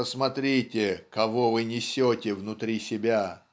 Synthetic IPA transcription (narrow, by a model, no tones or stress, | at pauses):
əsmɐt̪ɾʲitʲɪkɐvovɨnʲɪsʲotʲɪvnʊt̪ɾʲisʲɪbʲa